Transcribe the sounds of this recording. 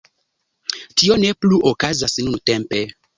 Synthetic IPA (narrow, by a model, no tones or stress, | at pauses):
tio̞ne̞pluʔokazasnunte̞mpe